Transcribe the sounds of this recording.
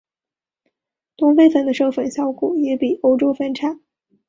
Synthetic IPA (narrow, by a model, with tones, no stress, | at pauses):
t̪ʊ˥ŋfe˥˧ɪfə˨˩nd̪ə˦ʂo˥˩ʊfə˨˩nɕjɑ˥ʊkʰu˨˩jɛ˧˥pi˨˩ʔo˧˥ʊʈ͡ʂo˥fə˥nʈ͡ʂʰa˨˩˦n